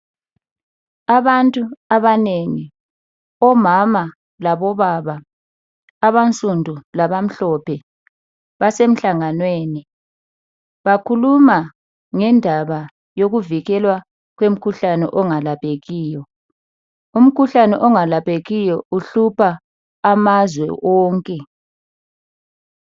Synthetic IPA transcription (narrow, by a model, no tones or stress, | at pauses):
aβantʼuaβaneŋi | ɔmama | laβɔβaβaː | βant͡sʼundʱulaβam̩ɬɔpʰɛ | βasem̩ɬaŋanweːni | βakʰuluma | ŋɛndʱaβa | joɣuviɣɛlwa | ɣwem̩kʰuɬanɛ̰ʔɔŋalapʰeɣiːjɔ | um̩kʰuɬanɛ̰ʔɔŋalapeɣijɔuɬupʰaː | mazwɛ̰ʔɔːŋkʼɛ